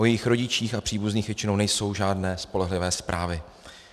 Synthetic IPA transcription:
ojɛjɪxɾo̞ɟɪt͡ʃiːxapr̥iːbuzɲiːxvjɛt͡ʃɪnownɛjso̞wʒaːdnɛːspo̞lɛɦlɪvɛːspɾʔa̰ːvɪ

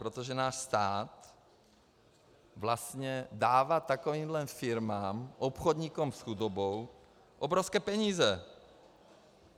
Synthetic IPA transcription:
pɾot̪oʒɛnaːʃst̪aːt̪ | vlast̪ɲɛdaːvat̪akoviːmlɛmfɪɾmaːmʔopxod̪ɲikomsxudobow | ʔobɾofskɛːpɛɲiːzɛ

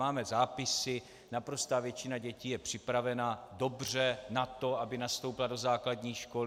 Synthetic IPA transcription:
aːmɛzaːpɪsɪ | napɾo̞st̪aːvjɛt͡ʃɪnaɟɛciːjɛpr̝̥ɪpɾavɛnado̞br̝ɛnat̪o̞abɪnast̪o̞wpɪlado̞zaːkladɲiːʃko̞l

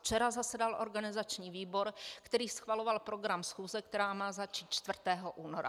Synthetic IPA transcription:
ft͡ʃɛɾazasɛdalʔo̞̰ɾɡanɪzat͡ʃɲiːviːbo̞ɾkt̪ɛɾiːsxvalo̞valpɾo̞ɡɾamsxuːzɛkt̪ɛɾaːmaːzat͡ʃiːt̪̚t͡ʃt̪vr̩t̪ɛːɦoʔuːnoɾa̰

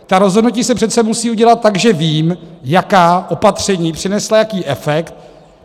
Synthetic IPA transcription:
t̪aɾozɦodnuciːsɛpr̥ɛt̪t͡sɛmusiːuɟɛlat̪̚ːaɡʒɛviːmjakaːʔo̞pat̪r̝̥ɛɲiːpr̥ɪnɛslajakiːʔɛfɛkt̪̚

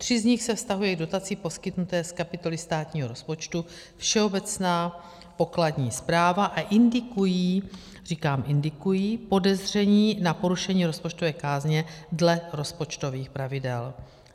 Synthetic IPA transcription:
t̪r̝̥ɪzɲɪxsɛfst̪aɦujɛɡdo̞t̪at͡siːpo̞skɪt̪nut̪ɛːskapɪt̪o̞lɪst̪aːt̪ɲiːɦo̞ɾo̞spo̞t͡ʃt̪u | fʃɛo̞bɛt͡snaː | po̞kladɲiːspɾaːvaʔaʔɪndɪkujiː | riːkaːmʔɪndɪkujiːpo̞dɛzr̝ɛɲiːnapo̞ɾuʃɛɲiːɾo̞spo̞t͡ʃt̪o̞vɛːkaːzɲɛdlɛɾo̞spo̞t͡ʃt̪o̞viːxpɾavɪdɛl

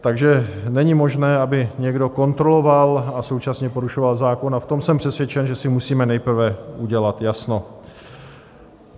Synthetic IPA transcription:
t̪aɡʒɛnɛɲɪmo̞ʒnɛːabɪɲɛɡdo̞ko̞nt̪ɾo̞lo̞valaso̞wt͡ʃasɲɛpo̞ɾuʃo̞valzaːko̞naft̪o̞msɛmpr̥ɛsvjɛt͡ʃɛnʒɛsɪmusiːmɛnɛjpr̩vɛʔuɟɛlat̪jasno̞

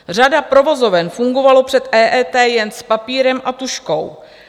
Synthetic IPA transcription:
r̝adapɾo̞vo̞zo̞vɛnfuŋɡo̞valo̞pr̝̥ɛt̪ʔɛːʔɛːt̪ɛːjɛnspapiːɾɛmʔat̪uʃko̞w

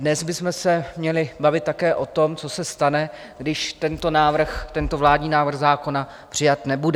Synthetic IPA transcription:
dnɛzbɪsmɛsɛmɲɛlɪbavɪt̪̚t̪ːakɛːʔo̞t̪o̞mt͡so̞sɛst̪anɛ | ɡdɪʃt̪ɛnt̪o̞naːvr̩xt̪ɛnt̪o̞vlaːdɲiːnaːvr̩xzaːko̞na | pr̥ɪjat̪nɛbudɛ

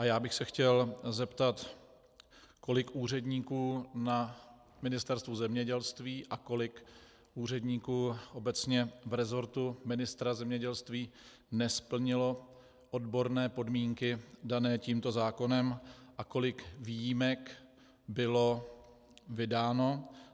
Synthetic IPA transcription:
ʔajaːbɪxsɛxcɛlzɛpt̪at̪ | ko̞lɪkʔuːr̝ɛdɲiːkuːna | mɪnɪst̪ɛɾst̪vuzɛmɲɛɟɛlst̪viːʔako̞lɪk | ʔuːr̝ɛdɲiːkuːʔo̞bɛt͡sɲɛvɾɛzo̞ɾt̪umɪnɪst̪ɾazɛmɲɛɟɛlst̪viː | nɛspl̩ɲɪlo̞ | ʔo̞dbo̞ɾnɛːpo̞dmiːŋkɪdanɛːciːmt̪o̞zaːko̞nɛmʔako̞lɪkviːjimɛk | bɪlo̞ | vɪdaːno̞

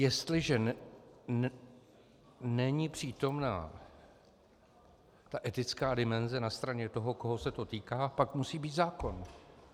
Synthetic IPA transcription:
jɛst̪lɪʒɛ | nɛɲɪpr̝̥iːt̪o̞mna̰ː | t̪aʔɛt̪ɪt͡skaːdɪmɛnzɛnast̪ɾaɲɛt̪o̞ɦo̞ko̞ɦo̞sɛt̪o̞t̪iːkaːpakmusiːbiːt̪zaːko̞n

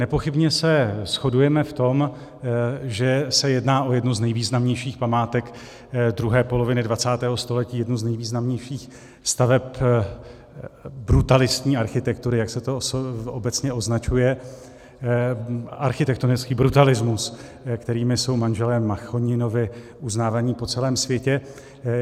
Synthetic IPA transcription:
nɛpo̞xɪbɲɛsɛsxo̞dujɛmɛft̪o̞m | ʒɛsɛjɛdnaːʔo̞jɛdnuznɛjviːznamɲɛjʃiːxpamaːt̪ɛk | d̪ɾuɦɛːpo̞lo̞vɪnɪdvat͡saːt̪ɛːɦost̪o̞lɛciːjɛdnuznɛjviːznamɲɛjʃiːx | st̪avɛp | bɾut̪alɪst̪ɲiːaɾxɪt̪ɛkt̪uɾɪjaksɛt̪oobɛt͡sɲɛʔo̞znat͡ʃujɛ | ʔa̰ɾxɪt̪ɛk̚t̪onɪt͡skiːbɾut̪alɪzmus | kt̪ɛɾiːmɪso̞wmanʒɛlɛmːaxo̞ɲɪno̞vɪ | ʔuznaːvaːɲiːpo̞t͡sɛlɛːmsvjɛcɛ

